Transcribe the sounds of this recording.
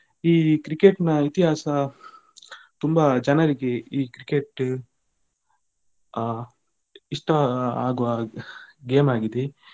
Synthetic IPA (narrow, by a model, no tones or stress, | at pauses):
iːkɾikeʈnɐit̪iɦaːsɐ | t̪umbɐd͡ʒɐnɐɾiɡeiːkɾikeʈ | iʂʈɐaːɡuʋɐ | ɡeːmaːɡid̪e